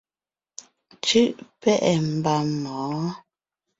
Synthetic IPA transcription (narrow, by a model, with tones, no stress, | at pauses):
t͡ʃʉ˦ʔpɛ˦˨ʔɛ˨m̩˨ba˨mɔː˨˦